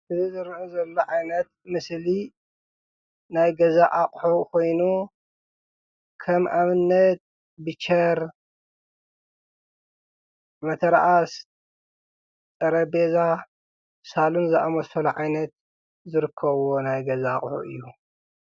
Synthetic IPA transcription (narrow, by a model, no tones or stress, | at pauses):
ʔɨzizɨɾʕuzɐlːoʕajnɐt̪̚mɨsli | najɡɐzaʔaχʼħukʰo̞jnu | kʰɐmʔamɨnːɐt̪̚ | bɨt͡ʃʰɐɾ | mɐt̪ʰɐɾaʔas | t̪ʼɐɾɐbeza | salunzɨʔamɐsɐluʕajnɐt̪̚ | zɨɾɨkʰːɐβonajɡɐzaːχʼħṵʔɨ̰jːu